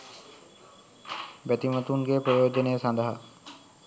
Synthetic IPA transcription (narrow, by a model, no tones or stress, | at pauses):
bɛt̪imət̪unɡepɾojod͡ʑɔnesãnd̪ʱaɦa̰